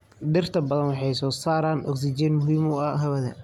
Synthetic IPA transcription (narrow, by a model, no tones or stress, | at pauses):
ɖɪrt̪ʰɐbɐðɐnwɑħɑjsɔːsaːɾaːnʔɔ̰ks̬ɪd͡ʒɛːnmʊɦiːmʊɐɦɐβɐðɐ̰